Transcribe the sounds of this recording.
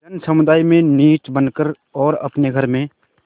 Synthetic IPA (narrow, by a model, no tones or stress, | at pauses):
d͡ʒənsəmʊd̪aːimẽniːt͡ʃbənkəɾ | ɔːɾɐ̰pneɡʱəɾmẽ